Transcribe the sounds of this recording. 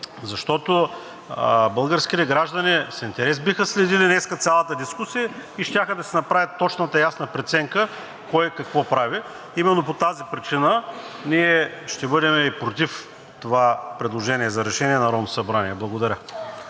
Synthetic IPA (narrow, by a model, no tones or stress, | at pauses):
zɐʃt̪ɔt̪o | bɐlˠɡəɾskʲit̪ɛɡɾaʒd̪ɐnisint̪ɛɾɛsbixəslɛd̪ilinɛskət̪sʲjalˠət̪əd̪iskusijəiʃt̪ʲaxəd̪ɐsɛnɐpɾavʲjɐt̪ːɔt͡ʃnət̪əjasnəpɾɛt̪sɛŋkə | kɔjkɐkvɔpɾavi | imɛnːopot̪azipɾit͡ʃinə | niɛʃt̪ɛbɤd̪ɛmɛipɾot̪if | t̪ovapɾɛd̪lˠoʒɛniɛzɐɾɛʃɛniɛnɐɾɔmsɐbɾaniɛblˠɐɡod̪ɐɾʲə